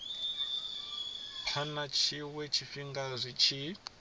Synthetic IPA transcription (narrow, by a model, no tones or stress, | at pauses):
pʰɔnat͡ʃʰiwɛt͡ʃʰifiŋɡazʷit͡ʃʰi